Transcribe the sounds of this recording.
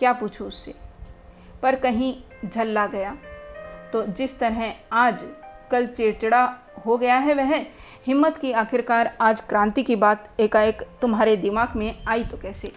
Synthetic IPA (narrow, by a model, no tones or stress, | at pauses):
kjaːpuːt͡ʃʰuʊsːe | pɐɾkɐɦĩ | d͡ʒʱɐlːaɡɐja | t̪od͡ʒɪst̪ɐɾɦɛaːd͡ʒkɐlt͡ʃeːt͡ʃɽa | ɦoɡɐjaɦɛʋɛɦ | hɪmːət̪kiaːkɪɾkaːɾaːd͡ʒkɾãːnt̪ikibaːt̪eːkaːjəkt̪ʊmɦaːɾed̪ɪmaːɡmẽaːit̪okɛːseː